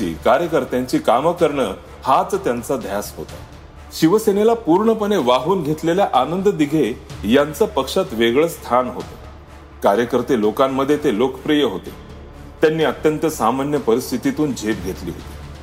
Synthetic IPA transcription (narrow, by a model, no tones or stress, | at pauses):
ḭːkaɾjəkəɾt̪jaɲt͡ɕiːkaməkəɾɳə | hat͡st̪jant͡sad̪ʱjasɦo̰t̪a̰ | ɕiʋəsenelapuɾɳəpəɳeʋaɦuːnɡʱet̪leljaʔanənd̪əd̪iɡʱejant͡səpəkʂat̪ʋeɡɭəst̪ʰanɦo̰t̪e | kaɾjəkəɾt̪elokamːəd̪ʱːjet̪elokəpɾijəɦot̪e | t̪janːiːət̪jənt̪əsamanjəpəɾist̪ʰit̪it̪uːnd͡ʑʱet̪̚ɡʱet̪lḭːɦo̰t̪i̥